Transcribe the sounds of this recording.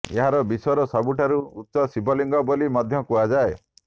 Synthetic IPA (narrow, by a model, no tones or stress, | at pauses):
ḛɦaɾɔbisɔɔɾɔsabuʈʰaɾuutːʃɔsibɔliŋɡɔbɔlimɔd̪ʱjɔkuad͡ʒae